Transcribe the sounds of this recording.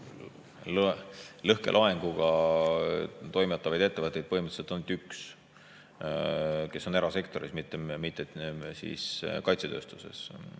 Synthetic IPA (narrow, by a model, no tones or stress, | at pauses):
llɤhke̞̰lʔɑeŋɡuɡ̥ɑ | t̪o̞jmet̪ˑːɑvɑjd̪e̞t̪ːevət̪ːˑe̞jd̪̚pɤɦimət̪selt̪ːont̪ːyks | ke̞so̞neɾɑse̞kt̪o̞ɾismit̪ːˑemit̪ːˑesḭskɑjt̪set̪ø̞ːst̪u̥se̞̰s